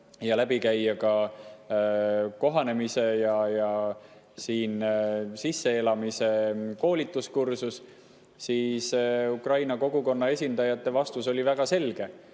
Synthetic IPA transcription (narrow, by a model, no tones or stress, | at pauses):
jɑlæbikæjːɑkɑ | ko̞ɦɑne̞mise̞jɑjɑ | siːnsisːe̞elɑmise̞ko̞ːlit̪ːˑuskursus | siːsukrɑjnɑko̞ɡuko̞nːɑe̞sʲind̪̥ɑjɑt̪ːˑe̞vɑst̪uso̞lʲivæɡ̥ɑse̞lɡ̥e̞